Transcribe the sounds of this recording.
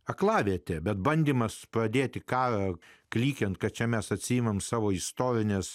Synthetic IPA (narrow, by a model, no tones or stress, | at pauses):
ɐklˠɑːʋʲeːt̪ʲɛbʲɛt̪bɐnʲd̪ʲiːmɐspɾɐd̪ʲeːt̪ʲɪkɑːɾɐklʲiːkʲɛnt̪kɐt̪t͡ʃʲɛmʲɛsɐt̪ʲsʲijːmɐmsɑːʋoːɪst̪oːɾʲɪnʲɛs